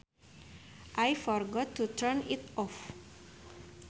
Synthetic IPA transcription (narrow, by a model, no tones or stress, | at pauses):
ʔajfɔɾɡɔtʰːut̪ʰəɹnitɔf